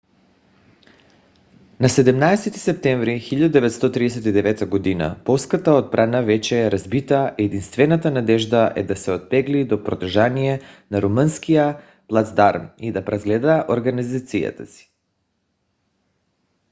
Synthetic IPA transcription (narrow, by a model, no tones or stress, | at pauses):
nasɛd̪ɛmnaɛsɛt̪i̥sɛp̚t̪ɛɱvɾixiʎad̪ud̪ɛvɛt̪st̪ɔt̪ɾid̪ɛs̬ɛt̪id̪ɛvɛt̪aɡod̪ina̰pɔlˠskat̪aot̪̚bɾanavɛt͡ʃɛːɾazbit̪aʔɛɛd̪inst̪vɛnat̪anad̪ɛʒd̪aʔɛ̰d̪asɛot̪̚pɛɡlid̪ɔpɾod̪r̩ʒanijɛnaɾumənskija | plˠazd̪aɾmid̪apɾazɡlɛd̪aːʔoɾɡanizat̪sija̰t̪asi̥